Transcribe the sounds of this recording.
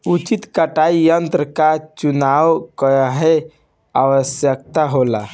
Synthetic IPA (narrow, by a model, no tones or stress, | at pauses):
ut͡ʃit̪kəʈaijənt̪ɾəkat͡ʃunawkəɦe | aʋəsjək̚t̪aɦola